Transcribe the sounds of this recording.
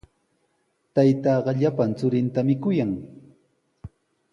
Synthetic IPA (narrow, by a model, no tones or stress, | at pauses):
t̪ajt̪ɑːɢɑʎapant͡sʊɾɪnt̪amɪkʊjaŋ